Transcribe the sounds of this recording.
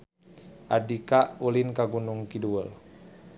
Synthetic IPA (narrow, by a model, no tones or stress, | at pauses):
ʔadikaʔulinkaɡunuŋkiduəl